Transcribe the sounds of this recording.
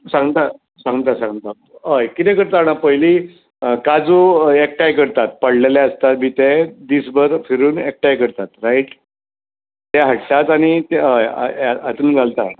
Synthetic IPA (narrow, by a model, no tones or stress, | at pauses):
sãŋɡt̪a | sãŋɡt̪asãŋɡt̪a | əjkit̪ɛ̃kəɾt̪aɽ̃apəjli | kad͡zoek̚ʈajkəɾt̪at̪̚pəɽlelɛəst̪at̪miːt̪ɛd̪iːsbəɾfʰiɾuːnek̚ʈajkəɾt̪at̪ɾaiʈ | t̪ɛɦəʈʰt̪at̪aɽ̃it̪ɛə̰aat̪uːnɡʱalt̪a